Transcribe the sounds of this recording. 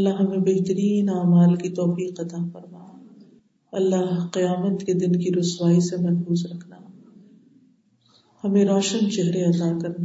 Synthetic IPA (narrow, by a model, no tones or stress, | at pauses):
ɐlːaɦɐmẽbeɦt̪əɾiːnaːmaːlkit̪ɔːfiːqɐt̪afɐɾmaː | ɐlːaɦqijaːmət̪ked̪ɪnkiɾʊswaːisemɐɾfuːzɾɐkʰnaː | hɐmẽɾɔːʃənt͡ʃɛɦɾeɐd̪aːkɐɾna